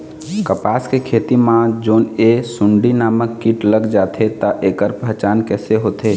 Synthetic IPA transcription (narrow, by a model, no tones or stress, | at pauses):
kəpaːskekʰeːt̪imãd͡ʒoːnesʊɳɖinaːməkːiʈləɡd͡ʒaːt̪ʰet̪aʔeːkəɾpət͡ʃaːnkɛːseɦoːt̪ʰe